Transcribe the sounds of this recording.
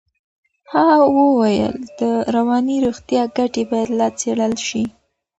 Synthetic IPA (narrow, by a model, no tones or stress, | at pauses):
hawəwajə̰ld̪̥əɾawɑniɾoɣt̪jɑɡaʈebɑjad̪lɑt͡seɽəlʃi